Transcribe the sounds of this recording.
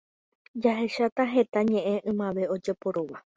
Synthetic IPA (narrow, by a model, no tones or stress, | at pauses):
d͡ʒaɦe̞ʃat̪aɦe̞t̪aɲẽ̞ʔẽ̞ʔɨ̃mãʋe̞o̞d͡ʒe̞po̞ɾoʋa